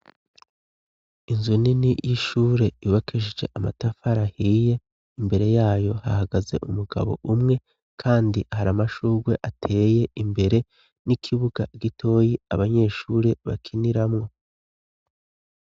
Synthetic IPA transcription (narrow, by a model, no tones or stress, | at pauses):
inzuninijʔiʃuːɾe̞juβakʰiʒid͡ʒe̞̰ʔamatafaɾahiːje̞ | imbe̞ɾe̞jaːjo̞hahaɡaze̞̰ʔumuɡa̰βo̞̰ʔumŋe̞ | kʰaːndihaɾamaʃuːɾɡwe̞ʔatʰe̞ːje̞imbe̞ɾe̞ | nikʰiβuɡaɡitʰo̞ːjiaβaɲe̞ːʃuːɾe̞βa̰kʰiniɾamŋo̞